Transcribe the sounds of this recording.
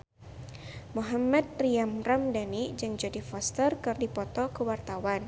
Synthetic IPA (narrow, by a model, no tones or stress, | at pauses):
muɦamat̪̚riamramdanid͡ʒɨŋd͡ʒadifɔst̪ərkərdipɔt̪ɔkəwart̪awan